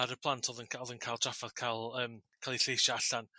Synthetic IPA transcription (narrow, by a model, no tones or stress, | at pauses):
aɾəpʰlˠantʰɔðənkʰɔðənkʰaɪlˠd̥ʰafaðkʰalˠəːmkʰalˠiɬejʃaaɬan